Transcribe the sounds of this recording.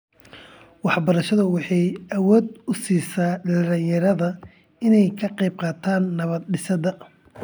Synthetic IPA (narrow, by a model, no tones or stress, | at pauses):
wɑħbɐɾɐʃɐðɐwɑħɑjʔɐwɔːd̪ʊsiːsaːɖɐllɪjɐɾɐðɐ | ɪnɛjkʰɐqɛjb̚qɑːt̪ʰaːnːɐβɐd̪ɖɪsɐðɐ